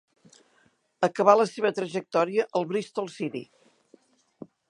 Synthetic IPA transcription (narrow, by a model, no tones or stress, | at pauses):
əkəβaləseβət̪ɾəʒək̚t̪ɔɾiəʔəlˠβɾist̪olˠsiɾḭ